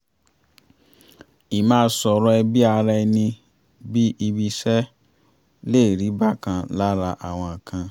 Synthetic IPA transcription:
i˨mãː˦sɔ˧ɾɔ˦ɛ˧bi˦a˧ɾa˧ɛ˧nĩ˧ | bi˦ʔi˧bi˧sɛ˦ | le˦˨ɾi˨˦ba˦˨kã˧la˦ɾa˧ʔa̰˨w̃ɔ̃˧ã˨kʰã˧

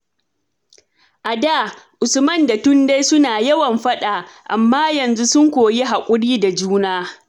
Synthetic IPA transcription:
ʔa˨daː˦˨ʔʊ˨sʊ˨mɐ˦nda˨tʊ˦nda˦jsʊ˦naː˨jɐ˦wɐ˨mɸɐ˦ɗa˨ʔa˨mːaː˦jɐ˨nzu˦sʊ˦ŋkʷoː˨je˦ɦa˨kʷʼʊ˦ɽiː˦da˨d͡ʒuː˦naː˦

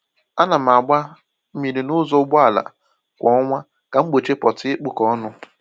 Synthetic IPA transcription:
a˦na˨m̩˨a˨ɡ͡ba˦ | mi˨ɾi˨nʊ˦zɔ˦ɡ͡bɔ˦a˨la̰˨ | kʷɔ˨˦ɔ˦ŋʷa˦ | ka˨ŋ͡m̩˦ɡ͡bo˨t͡ʃe˦pɔ˨tɪ˦k͡pʊ˨kɔ˦nʊ˦

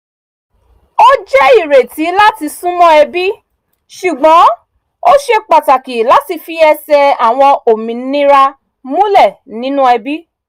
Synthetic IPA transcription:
o˦d͡ʒɛ˦i˦˨ɾe˨ti˨˦la˦ti˧sũ˦mɔ̃˦ɛ˧bi˦ | ʃu˨ɡ͡bɔ̃˨˦ | o˦ʃe˧k͡pa˨ta˨ki˨la˨˦ti˧fi˦ɛ˧sɛ˧a˨w̃ɔ̃˧o˨mĩ˨˦nĩ˦ɾa˧ | mũ˦lɛ˦˨nĩ˨˦nũ˦ɛ˧bi˦

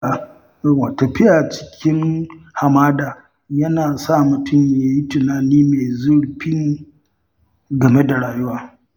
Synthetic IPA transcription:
wa˨tɐ˨ɸɪ˦ja˨t͡ʃɪ̥˦kʲɪ˦ŋha˨maː˦daː˨ | jɐ˦naː˨sa˦mʊ˨tʊ˦˨mjja˨˦ji˦tʊ˨naː˨niː˦me˨zʊ˦ɽɸi˦n˦ | ɡɐ˨me˦da˨ɽaː˨jʊ˦waː˦

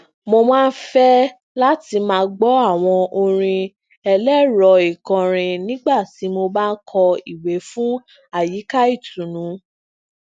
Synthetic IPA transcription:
mo˧mãː˦n̩˦fɛ˦ | la˦ti˧mãː˧ɡ͡bɔ˦a˦˨w̃ɔ̃˧ʔo˧ɾ̃ĩ˧ | ɛ˧lɛ˦ɾɔ˨i˨kɔ̃˨ɾ̃ĩ˧nĩ˦ɡ͡ba˦˨ti˨˦mo˧ba˦kʰɔ˧i˨we˨˦fũ˦ | a˦˨ji˨˦ka˦i˦˨tũ˨nũ˨˦

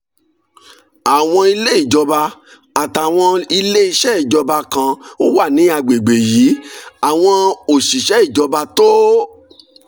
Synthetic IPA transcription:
a˨w̃ɔ̃˧i˧le˦i˦˨d͡ʒɔ˧ba˧ | a˨ta˨w̃ɔ̃˧i˧le˦i˧ʃɛ˦i˦˨d͡ʒɔ˧ba˧kã˧o˦wa˦˨nĩ˨˦a˧ɡ͡be˨ɡ͡be˨jiː˨˦a˨w̃ɔ̃˧o˨ʃi˨ʃɛ˨˦i˦˨d͡ʒɔ˧ba˧to˦

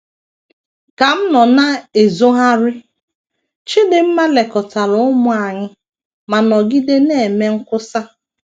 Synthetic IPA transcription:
ka˨m̩˦nɔ˨na˦e˨zo˦ɦa˦ɾɪ˦ | t͡ʃɪ˦dɪ˦m̩˦ma˦le˨kɔ˨ta˨ɾʊ˨˦ʊ˦mʊ˨a˨ɲɪ˦ | ma˨nɔ˨ɡi˦de˦ne˦˨e˨me˦ŋ̩˦kʊ˦sa˦

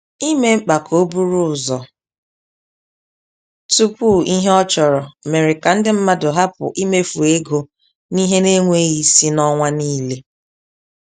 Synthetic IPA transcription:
i˦me˦m̩˦k͡pa˨kʰo˦bu˦ɾu˦ʊ˨zɔ˨ | tu˦pu˦˨i˦ɦe˦ɔ˦t͡ʃɔ˨ɾɔ˨me˨ɾɪ˨ka˨n̩˦dɪ˦m̩˦ma˦dʊ˨ɦa˦pʊ̰˨ʔi˦me˦fu˨e˦ɡo˨ | ni˦ɦe˦ne˦ŋʷe˦ɣi˦si˦nɔ˦ŋʷa˦niː˦le˦

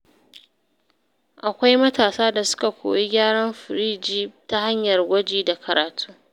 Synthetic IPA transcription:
ʔa˨kʷa˦jmɐ˦taː˨saː˦da˨sʊ̥˦ka˨kʷo̰ː˨ji˦ɡʲaː˦ɽɐ˦mɸɪ˨ɾiː˦d͡ʒiː˦ta˦ha˦ɲjɐ˨rɡʷɐ˦d͡ʒiː˦da˨kʰɐ˨ɾaː˨tʰu̥ː˦

